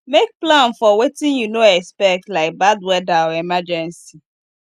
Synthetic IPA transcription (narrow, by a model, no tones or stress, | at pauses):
mek̚plãnfɔwetɪ̃ŋjunoɛkspɛk̚tlaɪk̚badwɛdaɔemad͡ʒɛ̃nsi